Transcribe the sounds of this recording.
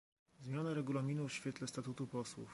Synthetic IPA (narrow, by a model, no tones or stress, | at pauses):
zmʲjanaɾɛɡulamʲinufɕfʲjɛt̪lɛst̪at̪ut̪upɔswṵf